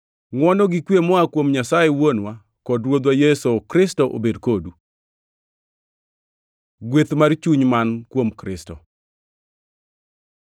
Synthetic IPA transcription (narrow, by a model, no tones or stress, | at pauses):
ŋwɔnɔɡikwjemɔakwomɲasajewonwa | kɔdɾwod̪wajɛsokɾɪstɔʔo̰bedkodu | ɡwet̪mart͡ʃuɲmankwomkɾɪstɔ